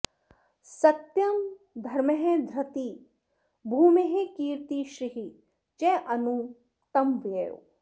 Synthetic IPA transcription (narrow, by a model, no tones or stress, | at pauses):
sɐt̪jɐm | d̪ʱɐɾmɐɦẽd̪ʱɾɐt̪i | bʱuːmeɦekiːɾt̪iʃɾiɦi | t͡ʃeʔɐnu | t̪ɐmʋeːɾo̰